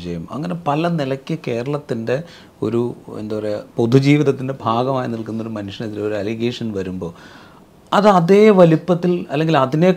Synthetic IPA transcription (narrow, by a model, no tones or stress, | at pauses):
t͡ɕɐjumɐ̰ŋːɐne̞pɐlɐnilɐkʲːɨke̞ːɾɐɭɐt̪ːinde̞ | o̞̰ɾuḛnd̪ɐʋɐrepo̞d̪ʱud͡ʑiːʋiðɐt̪ːinde̞bʱaːɡɐmaːjiniɭkunːo̞ɾumɐnuʂɐniðileoɾuɐliɡeːʂɐnʋɐɾumbo̞ː | ɐðɨɐðeːɐʋɐlipːɐt̪ːilɐlːe̞ŋɡilɐðine̞